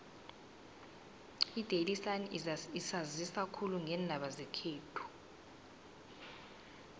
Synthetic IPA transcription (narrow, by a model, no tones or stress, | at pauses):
id̥ʱelisaniisazisakʰuluŋʱɛːndʱaɓazɛkʰeːtʰu̥